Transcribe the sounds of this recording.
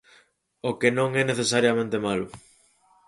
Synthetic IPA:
okenõŋɛneθesaɾjamẽnt̪emalʊ

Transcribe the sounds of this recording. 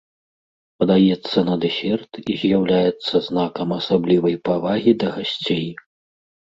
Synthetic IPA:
pɐd̪ajɛt̪sːɐnɐd̪ɛsʲɛrt̪izʲjawlʲajɛt̪sːɐznakɐmɐsablʲivɐjpavaɣʲid̪ɐɣasʲt͡sʲej

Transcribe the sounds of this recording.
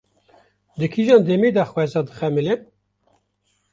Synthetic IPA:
d̪ɨkʰiʒɑːnd̪emed̪ɑxwɛzɑːd̪ɨxɛmɨlen

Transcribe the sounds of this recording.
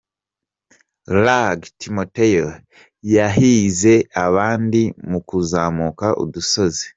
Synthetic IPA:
laɡtʰimotejo | jaɦize̞aβaːndimukuzaːmukaʔo̰duso̞zi

